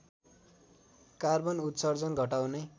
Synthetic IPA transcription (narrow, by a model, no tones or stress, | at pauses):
karbʌnut̪sʌrd͡zʌnɡʱʌʈawne